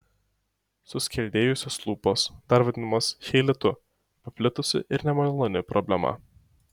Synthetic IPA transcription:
sʊsʲkʲɛlʲd̪ʲeːjʊsʲoːslˠuːpoːsd̪ɐɾʋɐd̪ʲɪnɐmɐsʃʲɛɪlʲɪt̪ʊ | pɐpʲlʲɪt̪ʊsʲɪ̰ʔɪɾnʲɛmɐlˠonʲɪpɾɔbʲlʲɛmɐ̰

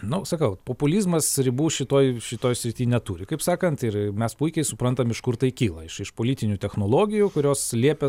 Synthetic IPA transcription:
nʊsɐkɐʊpoːpʊlʲiːzmɐsɾʲɪbuːʃʲɪt̪oːjʃʲɪt̪oːjsʲɾʲɪt̪ʲiːnʲɛt̪uːɾʲɪkɐɪpsɑːkɐnt̪ɪɾmʲɛspuɪkʲɛɪsʊpɾɐnt̪ɐmɪʃkʊɾt̪ɐɪkʲiːlˠɐɪʃɪʃpoːlʲiːt̪ʲɪnʲut̪ʲɛxnoːlˠoːɡʲɪjukʊɾʲoːslʲiɛpʲɛ

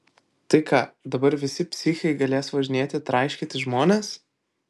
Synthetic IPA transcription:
t̪ɐɪkɑːd̪ɐbɐɾʋʲɪsʲɪpʲsʲɪxʲɛɪɡɐlʲeːsʋɐʒʲɪnʲeːt̪ʲɪt̪ɾɐɪʃʲkʲɪt̪ʲɪʒmoːnʲes

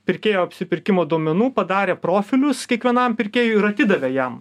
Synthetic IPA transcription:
pʲɪɾʲkʲeːjoːɐpʲsʲɪpʲɪɾʲkʲɪmoːd̪oːmʲɛnuːpɐd̪ɑːɾʲeːpɾoːfʲɪlʲʊskʲiɛkʋʲiɛnɐmpʲɪɾʲkʲeːjʊɪɾɐt̪ʲiːd̪ɐʋʲɛjɛm

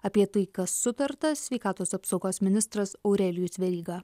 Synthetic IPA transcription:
ɐpʲiɛt̪ɐɪkɐsːʊt̪ɐɾt̪ɐsʲʋʲɛɪkɑːt̪oːsɑpsoʊɡoːsmʲɪnʲɪst̪ɾɐsoʊɾʲɛlʲɪjʊsʲʋʲɛɾʲiːɡɑː

